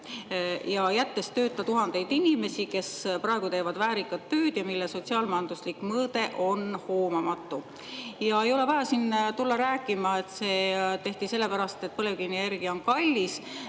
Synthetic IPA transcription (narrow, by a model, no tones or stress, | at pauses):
jɑjæt̪ːe̞st̪ø̞ːt̪ːˑɑt̪uɦɑnd̪e̞jd̪inʲime̞sike̞sprɑe̞ɡ̥ut̪e̞ːvɑd̪væːɾikːˑɑt̪ːø̞ːd̪̥jɑmilːeso̞t̪ʲsiɑːlmɑjɑnd̪uslikmɤːd̪̥e̞ʔo̞nho̞ːmɑmɑt̪ːu | jɑe̞jo̞le̞vɑjɑsint̪ulːɑɾæːkːˑimɑe̞t̪seːt̪e̞ht̪ise̞lːe̞pæɾɑst̪e̞t̪̚pɤle̞vklinierɡ̥iɑo̞nkɑlʲːis